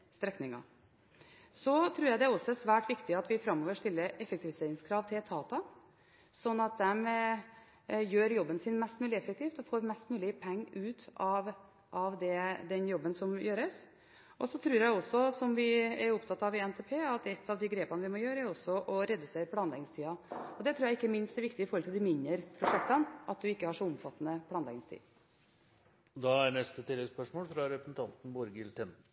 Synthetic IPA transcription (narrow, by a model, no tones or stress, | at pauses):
st̪ɾɛknɪŋɑ̰ | sɔt̪ʰɾʉːɾjæɪd̪ɛæɾɔsːɔɛsʋæːʈʋɪkt̪ɪɑt̪ʋɪfɾɑmːoːʋəʂt̪ɪlːəɾɛfəkt̪ʰɪʋɪseːɾɪŋskʰɾɑːʋt̪ʰɪlt̪ʰɑːt̪ɑ | sɔnːɑt̪̚d̪ɛm | jøːɾjɔbːənsɪnmɛst̪mʉːlɪɛfːək̚t̪ʰɪːft̪ɔfoːɾmɛst̪mʉːlɪpʰɛŋːʉːt̪ɑʋ | ʔɑʋd̪ɛd̪ɛnjɔbːənsɔmjøːɾəs | ʔɔsɔt̪ʰɾʉːɾjæɪɔsːɔsɔmʋɪɛɾʊpt̪ʰɑt̪ːɑʋɪɛnt̪ʰeːpʰeːɑt̪ɛt̪ʰːɑʋd̪ɪɡɾeːpənəʋɪmɔjøːɾəæɾɔsːɔʔɔɾɛd̪ʉseːɾəpʰlɑːnlɛɡnɪŋst̪ʰiːɑɔd̪ɛt̪ʰɾːjæɪɪkːəmɪnst̪ɛɾʋɪkt̪ɪəɪfɔɾɔlt̪ɪld̪ɪmɪnːəɾpʰɾʊʂɛk̚t̪ɑnʔɑt̪̚d̪ʉɪkːəhɑʂɔʊmfɑt̪ːənəpʰlɑːnlɛ̰ɡnɪŋst̪ʰḭː | d̪ɑæɳɛst̪ət̪ɪləspœʂmoːlfɾɑɾɛpɾəsn̩t̪ɑnt̪n̩bɔɾɡɪlt̪ʰɛn